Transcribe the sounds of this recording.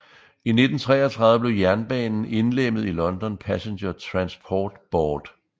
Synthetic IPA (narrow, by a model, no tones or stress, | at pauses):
ine̝d̥n̩t͡sʰʁɛ̰ːɐt͡sʰʁɑðˠʋəb̥le̝ʊjæɐnb̥ɛ̰ːnn̩e̝nlem̰ð̞̩ˠilɒ̽nd̥ɒ̽npʰæsenɕɐt͡sʰʁɑ̈nspʰɒːd̥b̥ɒːd̥